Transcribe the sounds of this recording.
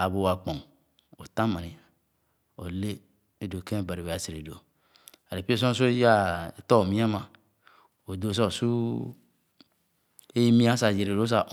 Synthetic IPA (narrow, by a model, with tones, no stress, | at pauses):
a˨bo˨wa˨k͡po˨ŋ | o˨ta˦ma˨ni˨ | o˨le˦ | e˦do˨kẽ˦˨ba˨ɾi˨ba˨se˨ɾḛ˨do˨ | a˨ɾe˨pi˦so˦s̬o˦ja˦e˨to˦o˨mi˦a˦ma˨ | o˨do˨so˦˨su˦ | e˦ji˦mi˦a˦sa˨d͡ʒe˨ɾe˨ɾo˦s̬a˨